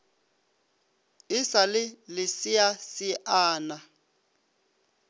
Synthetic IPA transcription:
ɪsalɪlɪsiasɪʔaːna

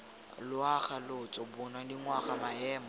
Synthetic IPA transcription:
lʊaχalʊt͡sʼɔbʊnadiŋwaχamaɛːmɔ

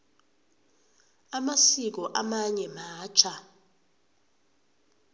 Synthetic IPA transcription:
amasik̬ɔʔamaɲɛmaːt͡ʃʰa

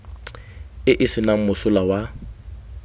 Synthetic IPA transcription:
ɪʔɪsɪnaŋ̩mʊsʊlawa

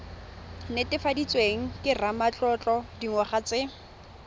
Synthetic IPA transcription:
nɪtʼɪfadit͡sʼweŋ̩kʼɪramat͡ɬʼɔt͡ɬʼɔdiŋ̩waχat͡sɪ

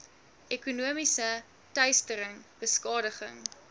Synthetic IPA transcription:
ʔɛkunuəmisə | tœɥstəɾəŋb̥əskɑːdəχə̰ŋ

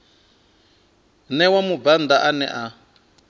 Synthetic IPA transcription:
nɛwamuband̪aʔanɛʔa

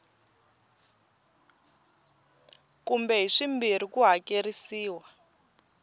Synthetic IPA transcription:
kumbɛɦiʂimbirikuɦakeɾisiːwa

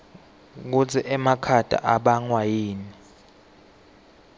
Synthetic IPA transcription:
k̬ut͡sʰiʔɛmakʰad̥ʼa̰ʔaɓaŋwajiːni

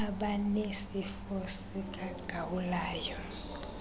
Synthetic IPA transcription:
aɓanesifosikʼaɡ̥ʱawulaːjɔ

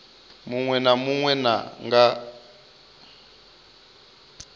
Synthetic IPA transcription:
muŋwɛnamuŋwɛna̰ŋɡa

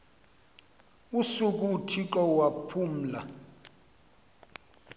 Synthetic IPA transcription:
usuk̬ʼutʰiǃɔwapʰuːm̩la

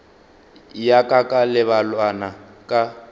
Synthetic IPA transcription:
jakʼakʼalɪβalwanakʼa

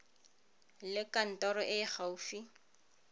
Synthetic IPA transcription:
lɪkan̩tɔɾɔʔɪχaufi

